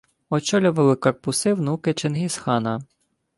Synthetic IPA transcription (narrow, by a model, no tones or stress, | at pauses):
ɔt͡ʃɔlʲʊʋɐlˠɪkɐrpʊsɪwnukɪt͡ʃenɦisxɑnɐ